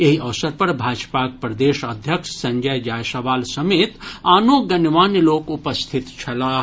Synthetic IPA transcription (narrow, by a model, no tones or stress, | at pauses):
eɦiʔɐʋsəɾpɐɾbʱaːd͡ʒpak̚pɾɐd̪eːʃəd̪ʱjəkʃsɐ̃ŋɡʱajd͡ʒaːjsɐʋaːlsɐmeːt̪aːnoɡɐnʋaːnloːkupəst̪ʰit̪t͡ʃʰɐlaː